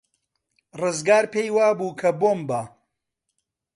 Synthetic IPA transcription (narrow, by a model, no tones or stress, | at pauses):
rɨzɡaːɾpejwaːbuːkʰɐboːmbaː